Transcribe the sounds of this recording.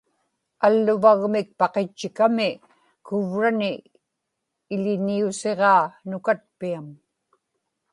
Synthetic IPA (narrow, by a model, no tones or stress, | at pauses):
alːʊvaɣmɪk̚pɑqet͡ʃːɪkamɪ | kʊvɻanɪ | ʎɪniuse̞ʁɑːnʊkat̪̚piam